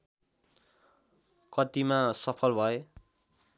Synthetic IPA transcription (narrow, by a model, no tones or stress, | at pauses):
kʌt̪imasʌpʰʌlbʱʌe